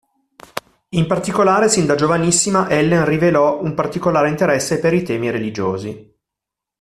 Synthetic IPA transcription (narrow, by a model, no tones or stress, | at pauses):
impart̪ikolaːɾesind̪ad͡ʒovanisːimaʔɛlːenrivelɔumpart̪ikolaːɾeint̪eɾɛsːepeɾit̪ɛːmiɾelid͡ʒoːzi